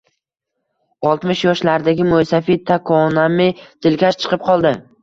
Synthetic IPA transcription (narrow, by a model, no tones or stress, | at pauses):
ɒlˠt̪mɪʃjɒʃlaɾd̪aɡʲɪmʊjsafit̪ʰakʰɒnamɪt̪ʰɪlkʲaʃt͡ʃʰɨ̥qʰɨp̚qʰɒlˠd̪ɪ